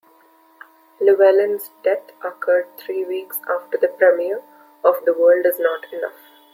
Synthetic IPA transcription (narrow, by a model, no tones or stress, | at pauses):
luʋɛlə̃nzɖɛtəkəɾɖ̚t̪ʰɾiːʋiːksaːfʈəɾd̪əpɾɛmiəɾ | ɔʋd̪əʋəːɾlɖɪznɔːʈɪnʌf